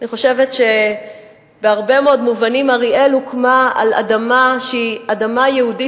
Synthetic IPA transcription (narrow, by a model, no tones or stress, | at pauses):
aniχo̞ʃe̞vetʃe̞ | beaʁbe̞meo̞dmuvanimaʁiʔelukmaa̰la̰damaʃeiadamajehudi